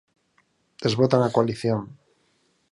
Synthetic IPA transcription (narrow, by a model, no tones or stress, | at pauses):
d̪̥e̞zβot̪anakwaliθjon